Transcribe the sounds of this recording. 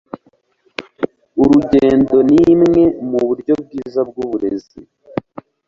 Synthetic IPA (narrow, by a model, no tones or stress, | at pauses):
uɾuɟeːndo̞nimŋe̞muβuɾɟo̞b̚ɡiːzabɡuβuɾe̞̰zi